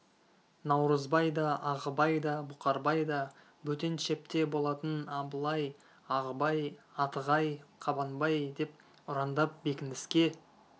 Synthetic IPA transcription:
nɑwɾəzbɑjd̪ɑʔɑʁəbɑjd̪ɑbʊqɑɾbɑjd̪ɑ | bɵt̪e̞nʃe̞p̚t̪e̞bo̞lˠɑt̪ənɑbəlˠɑj | ɑʁəbɑjɑt̪əʁɑjqʰɑbɑnbɑjd̪e̞p̚ | ʊɾɑnd̪ɑp̚be̞kʲɪnd̪ɪskʲe̞

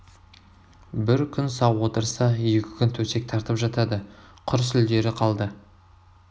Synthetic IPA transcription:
bɪɾkʲʰʏnsɑwwo̞t̪əɾsɑje̞kʲʰɪ̥kʲʰʏnt̪ʰɵse̞k̚t̪ʰɑɾt̪əpʒɑt̪ɑd̪əqʰʊɾəsɪld̪e̞ɾɪqʰɑlˠd̪ə

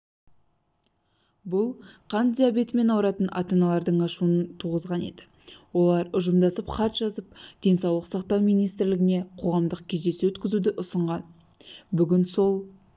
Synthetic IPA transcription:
bʊlˠqʰɑnt̪d̪ʲijabe̞t̪me̞nɑwɾɑt̪ənɑ̰t̪ɑnɑlˠɑɾd̪əɴɑʃuənənt̪ʰuʁəzʁɑne̞d̪ɪ̥ | wo̞lˠɑɾʊʒəmd̪ɑsəpχɑt̪ʒ̥ɑzəp̚d̪̥e̞nsɑwlˠəqsɑqt̪ɑwmijnijst̪ɪɾlɪɡʲɪne̞qʰo̞ʁɑmd̪əqkʲʰe̞zd̪e̞sewɵt̪kʲɪzud̪ɪʔʊsəɴʁɑn | bʏɡʲɪnso̞lˠ

